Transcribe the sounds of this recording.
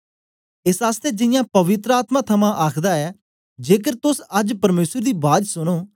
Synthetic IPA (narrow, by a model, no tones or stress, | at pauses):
ɪsaːst̪ɛːd͡ʒɪjãːpəʋɪt̪ɾəaːt̪mãːt̪ʰəmãːʔaːkʰd̪aːɛː | d͡ʒeːkəɾt̪ʊsəd͡ʒpəɾmeːsəɾd̪iːbaːd̪sʊnoː